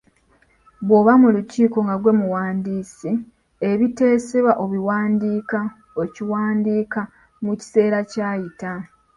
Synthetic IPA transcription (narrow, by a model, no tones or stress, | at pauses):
βwo̞βamuluciːko̞ŋɡaɡwe̞muwaːndiːsi | eβite̞ːseβaʔo̞βiwaːndiːka | ociwaːndiːka | muci̥se̞ːɾacaːjita